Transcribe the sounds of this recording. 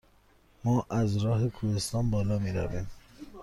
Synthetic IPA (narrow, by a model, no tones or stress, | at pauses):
mɒːʔæzɾɒːɦekʰuhest̪ɒːnbɒːlɒːmiːɾæ̰viːm